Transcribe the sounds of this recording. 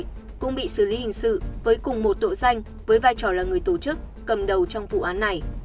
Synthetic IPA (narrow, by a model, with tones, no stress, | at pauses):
kʊ̰˧˥ŋ͡mɓḭ˧˨sɨ˧˩li˨˦hï˨˩ŋ̟sɨ̰˧˨vəː˨˦jkʊ˨˩ŋ͡mmo˨˩t̚t̪o̰˧˨za˧jŋ̟ | vəː˨˦jvaː˧jt͡ɕɔ˧˩laː˨˩ŋɨ˨˩əjt̪o˧˩t͡ɕɨ˦˥k̚ːə˨˩mɗə˨˩wt͡ɕɔ˧wŋ͡mvṵ˧˨ʔaː˨˦nːa˨˩j